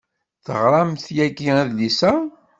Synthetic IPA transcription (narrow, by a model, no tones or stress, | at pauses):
θəʁɾˤɑmθjæɡiæðlisæ